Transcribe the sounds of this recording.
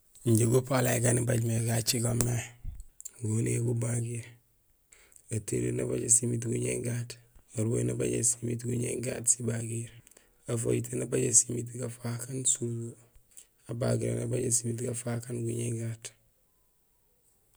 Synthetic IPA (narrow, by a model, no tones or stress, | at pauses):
ɲɟeɡopalakanibaɟmeɡat͡ʃiɡome | ɡoneɡubaɡiɾ | atḛɾḛnaba̰ɟasimit̬ɡuɲḛŋɡataɾwonaba̰ɟḛsimit̬ɡuɲḛŋɡa̰tsibaɡiɾ | afo̰jtenabaɟesimit̬kafakansuzu | abaɡiɾa̰nabaɟasimit̬kafakanɡuɲeŋɡat